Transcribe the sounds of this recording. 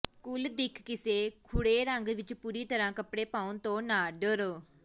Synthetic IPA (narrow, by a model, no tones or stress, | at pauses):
kʊld̪ɪkʰkɪseːkʰʊɽeːɾəŋɡʋɪt͡ʃpuːɾiːt̪əɾãːkəpɽeːpaːunt̪õːnaːɖəɾ